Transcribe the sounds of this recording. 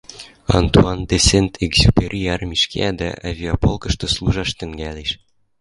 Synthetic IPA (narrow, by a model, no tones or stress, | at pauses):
ɑ̰nt̪uɑnd̪esʲent̪ʰeɡzʲupʲeɾʲʔijɑrmʲiʃkʲḛæd̪æ̰ʔa̰vʲeopolˠkɤ̆ʃt̪ŏslˠuʒɑʃt̪ɘ̆ŋɡæleʃ